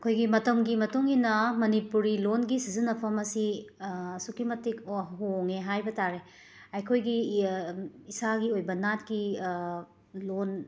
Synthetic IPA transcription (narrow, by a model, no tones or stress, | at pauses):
ɐkʰojɡimɐtɐmɡimɐtuŋinɐmɐnipuɾilonɡisizinɐpʰɐmɐsi | sukimɐtikɦoŋeɦajbɐtaɾe | ɐjkʰojɡi | isaɡiojbɐnatɡi | lon